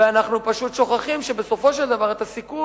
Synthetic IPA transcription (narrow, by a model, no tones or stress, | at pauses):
eanaχnupaʃut̪ʃo̞χaχimʃebeso̞fo̞ʃe̞ld̪avaʁet̪asiku